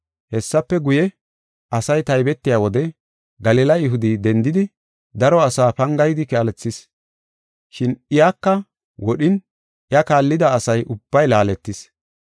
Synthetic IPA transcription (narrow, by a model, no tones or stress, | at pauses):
hɛsːɐpːɛɡʊjɛ | ʔɐsɐjt̪ɐjbɛt̪ːɪjaːwɔd̪ɛ | ɡɐlilɐjɪɦʊd̪id̪ɛnd̪ɪd̪ɪ | d̪ɐɾɔɐsaːpɐŋɡɐjd̪ɪkɛɐlɛt͡sːɪs | ʃɪnɪjakːɐ | wɔɗɪn | jɐkaːlːɪd̪ɐːsɐjʔʊb̥ːɐjlaːlɛt̪ːɪs